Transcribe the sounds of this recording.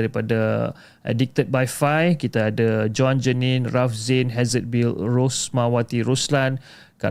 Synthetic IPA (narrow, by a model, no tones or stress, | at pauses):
aɾipada | ʔɛ̰dik̚t̪ət̪̚bajfajkit̪aːdad͡ʒɔ̃nd͡ʒənĩnrafzenɦɛzət̪̚bilrosmãwat̪iɾuslan | ka̰